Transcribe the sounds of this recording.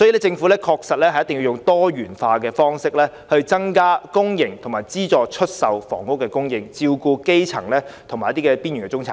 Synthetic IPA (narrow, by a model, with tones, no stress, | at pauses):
sɔː˨˥i˨lɛː˥t͡sɪ˧ŋfu˨˥lɛː˥kʰɔː˧k̚sɐ˨t̚lɛː˥hɐ˨jɐ˥t̪ɪ˨ŋji˧jʊ˨˩ŋt̪ɔː˥ɥyː˨˩nfaː˧k̬ɛː˧fɔː˥ŋsɪ˥k̚lɛː˥ | hɵ˧ɥt͡sɐ˥ŋkaː˥kʊ˥ŋjɪ˨˩ŋt̪ʰʊ˨˩ŋmaː˨˩jt͡siː˥t͡sɔː˨˧t͡ʃʰɵ˥t̚sɐ˨wfɔ̰ː˨˩ŋkʊ˥kːɛː˧kʊ˥ŋjɪ˧ŋt͡siː˧wkuː˧ke˥jt͡sʰɐ̰˨˩ŋlɛː˥t̪ʰŋmaː˨jɐ˥t̪iː˥kɛː˧piː˥nyː˨˩nkɛ˧t͡ʃʊ˥ŋt͡sʰa̰ː˨